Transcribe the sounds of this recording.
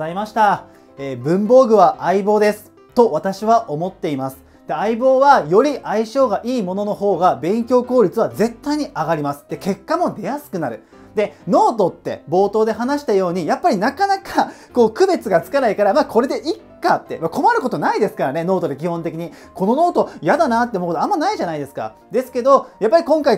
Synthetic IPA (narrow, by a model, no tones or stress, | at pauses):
aimaɕi̥t̪a | eːbɯ̟̃mbo̞ːɡɯ̟βaʔaibo̞ːd̪e̞sɨ̥ | t̪o̞at̪aɕiβaʔo̞mo̞t̪ːe̞imasɨ̥ | d̪̥e̞aibo̞ːβajo̞ɾʲiʔaiɕo̞ːɡaʔiːmo̞no̞no̞ɦo̞ːɡabẽ̞ŋkʲo̞ːko̞ːɾʲit͡sɨβaze̞t̪ːaiɲ̟iaɡaɾʲimasɨ̥t̪ːe̞ke̞kːamo̞d̪e̞jasɨ̥kɯ̟naɾɯ̟ | d̪̥e̞no̞ːt̪o̞t̪ːe̞̰bo̞ːt̪o̞ːd̪e̞ɦanaɕi̥t̪ajo̞ːɲ̟ijapːaɾʲinakanakako̞ːkɯ̟be̞t͡sɨɡat͡sɨ̥kanaikaɾamaːko̞ɾe̞d̪e̞ʔikːat̪ːe̞̰mako̞maɾɯ̟ko̞t̪o̞naid̪e̞sɨ̥kaɾane̞no̞ːt̪o̞d̪e̞kʲihõ̞nt̪ekʲiɲ̟i | ko̞no̞no̞ːt̪o̞jad̪anat̪ːeomɯkot̪amːanaiʑanaid̪e̞sɨ̥ka̰ | d̪e̞sɨ̥ke̞d̪o̞japːaɾʲikõ̞ŋkai